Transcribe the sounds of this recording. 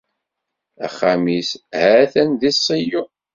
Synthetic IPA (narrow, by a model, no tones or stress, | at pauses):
æ̰χːamishæθænðisˤːəju